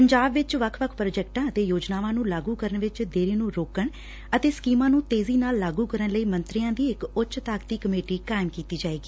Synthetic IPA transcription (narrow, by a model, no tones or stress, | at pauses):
pəɲd͡ʒaːbʋɪt͡ʃʋəkʰʋəkʰpɾod͡ʒɛːk̚ʈãːət̪eːjoːd͡ʒnaːʋãːnũːlaːɡuːkəɾəɳʋɪt͡ʃd̪eːɾiːnũːɾoːkəɳ | ət̪eːskiːmãːnũːt̪eːziːnaːlːaːɡuːkəɾəɳləiːmənt̪ɾijãːd̪iːɪkʊtt͡ʃʃt̪aːkt̪iːkəmeːʈiːkaːɪmkiːt̪iːd͡ʒaːeːɡiː